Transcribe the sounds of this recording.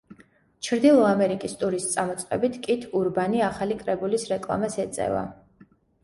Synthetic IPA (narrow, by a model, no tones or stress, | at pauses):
t͡ʃʰɾd̪ilˠɔamɛɾikʼist̪ʼuɾist̪sʼamɔt̪sʼqʼɛ̰bit̪ʰkʼit̪ʰuɾbaniaχalikʼɾɛbulisɾɛkʼlˠa̰masɛt̪sʼɛ̰va̰